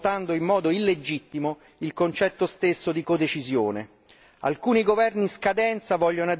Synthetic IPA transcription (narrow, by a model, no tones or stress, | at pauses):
t̪and̪oimːɔːd̪oilːed͡ʒit̪ːimo | ilkont͡ʃɛt̪ːost̪esːod̪ikod̪et͡ʃizjoːne | a̰lkuːniɡovɛrniskad̪ɛnt̪savɔʎːonoa